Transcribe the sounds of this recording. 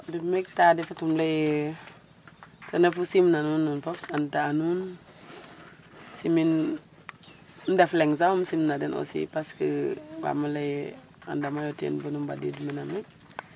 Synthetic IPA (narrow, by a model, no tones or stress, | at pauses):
dumek̚tadifatumlej | tanafusimnanunːunfoksantaanun | simin | ndafleŋzahumsimnadeno̰sḭpaskəwa̰malej | a̰ndamajotḛnbunumba̰dḭduminame